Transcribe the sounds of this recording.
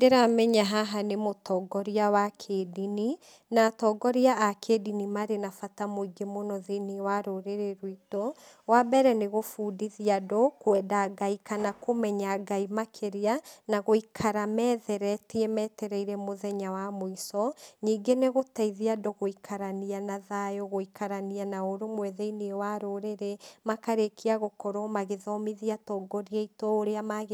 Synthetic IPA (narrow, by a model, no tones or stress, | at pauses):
deɾamɛɲaɦaɦanemotɔːɡɔɾiawakʰedini | naːtɔɡɔɾiaakʰedinimaɾenafatamoiɡemonɔðeniwaɾoɾeɾeɾwitɔ | wabɛɾɛneɣofuːdiðiadɔkwɛdaɡaikanakomɛɲaɡaimakʰeɾeanaɣoikʰaɾamɛːðɛɾɛtiɛmɛːtɛɾɛiɾɛmoðɛɲawamoisɔɲiːŋɡeneɣotaiðiadɔɣoikʰaɾanianaðajɔɣoikaɾanianaoɾomwɛðɛiniewaɾoɾeɾemakaɾekʰiaɣokɔɾɔmaɣeðɔmiðiatɔːɡɔɾiaitɔoɾeamaɣ